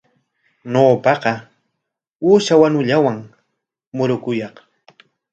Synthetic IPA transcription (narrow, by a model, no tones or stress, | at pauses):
noːpɑqɑ | uːʃawaɲʊʎawaŋ | mʊɾʊkʊjɑq